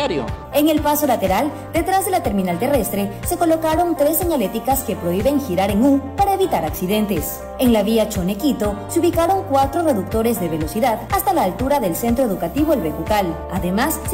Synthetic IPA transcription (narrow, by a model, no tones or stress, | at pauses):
o̰e̞ŋe̞lpaso̞lat̪e̞ɾal | d̪e̞t̪ɾazðe̞lat̪e̞ɾmĩnalt̪e̞re̞st̪ɾe̞se̞ko̞lo̞kaɾo̞nt̪ɾe̞sːe̞ɲalet̪ikaske̞pɾo̞iβe̞ŋxiɾaɾeŋupaɾaeβit̪aɾaksiðe̞nt̪e̞s | e̞ŋlaβiat͡ʃone̞kit̪o̞seuβikaɾo̞ŋkwat̪ɾo̞re̞ðuk̚t̪o̞ɾe̞zðe̞βe̞lo̞siðaðast̪alaːlt̪uɾaðe̞lse̞nt̪ɾo̞e̞ðukat̪iβo̞elβe̞t̪ukal | aðe̞mas